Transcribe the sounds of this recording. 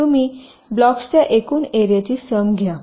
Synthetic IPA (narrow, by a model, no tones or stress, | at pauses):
umi | blɔkst͡ɕjaʔekuːneɾijat͡ɕiːsəmɡʱja